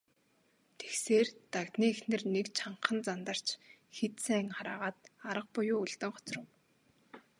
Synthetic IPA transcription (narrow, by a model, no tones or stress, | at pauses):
t̪ʰe̥xseːrt̪akt̪niːexnɘ̆rnekt͡ɕʰaɴqə̆nt͡sant̪ə̆r̥t͡ɕxet̪sæːŋχaɾaːʁaːt̪̚aɾə̆q̚pʊjʊːuɮt̪ɘ̆ŋχɔ̥t͡srə̆w